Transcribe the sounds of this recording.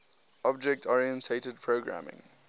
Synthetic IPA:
ɔb̚d͡ʒɛk̚tʰɔɹiə̃ntʰetəd̚pʰɹoɡɹa̰mɪ̰̃ŋ

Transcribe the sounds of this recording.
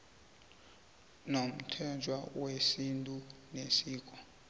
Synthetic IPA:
nom̩tʰɛd͡ʒʱwawesintʼunesiːk̬ʼɔ

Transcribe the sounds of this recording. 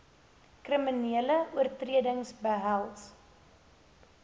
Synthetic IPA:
kriminiələuərtriədəŋsbəɦælˠs

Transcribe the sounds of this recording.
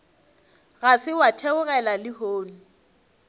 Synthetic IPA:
ɣasɪwatʰeʊɣɛlalɪhoːnu

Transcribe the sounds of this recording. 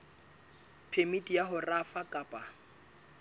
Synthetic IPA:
pʰemitʼijaɦʊrafakʼapʼa

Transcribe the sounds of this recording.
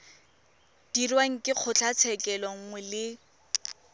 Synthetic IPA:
d̥irwaŋ̩kʼɪk͡xʰʊt͡ɬʰat͡sʰɛkʼɛlɔŋ̩ŋwɛlɪ

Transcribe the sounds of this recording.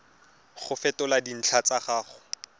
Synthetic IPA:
χʊfɛtʊladin̩t͡ɬʰat͡saχaːχʊ

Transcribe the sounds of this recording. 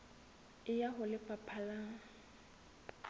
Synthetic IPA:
ɪjaɦʊlɪpʼapʰala

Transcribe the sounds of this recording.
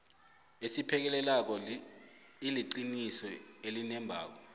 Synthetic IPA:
esipʰɛk̬ɛlɛlak̬ɔ | iliǃinisɔelinɛmbʱa̰ːk̬ɔ

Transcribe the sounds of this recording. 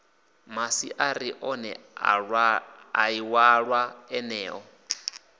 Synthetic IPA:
masiʔaɾiʔɔnɛ̰ | a̰iwaɺwaɛnɛːʔɔ

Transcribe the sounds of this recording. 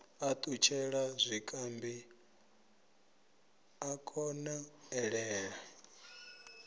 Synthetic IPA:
at̪ʼut͡ʃʰɛɺazʷikʼambi | akʰʼɔnaɛɺɛːɺa

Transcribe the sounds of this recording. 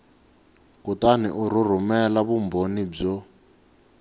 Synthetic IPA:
kutaniʔuɾur̤umɛlaβumbonib͡ʐɔ

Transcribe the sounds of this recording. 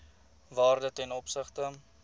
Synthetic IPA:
vɑːrdətɛnɔpsəχtə

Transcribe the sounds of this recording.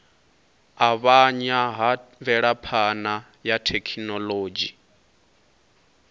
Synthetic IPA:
aβaɲaɦavɛɺapʰana | jatʰekʰinɔloːd͡ʒi

